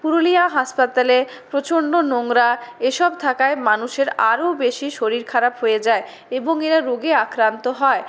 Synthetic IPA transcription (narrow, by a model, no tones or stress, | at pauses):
puɾoliaɦaʃpat̪ale | pɾot͡ɕonːonoŋɾaeʃɔb̚t̪ʰakaemanuʃeɾa̰ɾobeʃiʃoɾiɾkʰaɾapɦojed͡ʑae | eboŋeɾaɾoɡeakɾant̪oɦɔe